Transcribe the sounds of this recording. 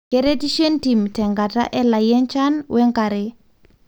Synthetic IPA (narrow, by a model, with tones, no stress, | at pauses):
kɛɾe˦ti˦ʃe˦nti˨mtɛ˨ŋɡa˨ta̰˦ʔɛla˨jɛnt͡ʃanwʔɛ˦ŋka˨ɾe